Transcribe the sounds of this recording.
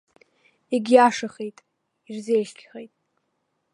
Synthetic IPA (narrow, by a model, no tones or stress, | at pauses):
iɡʲjaʂaχejtʼ | irzejʃkʲʰχejtʼ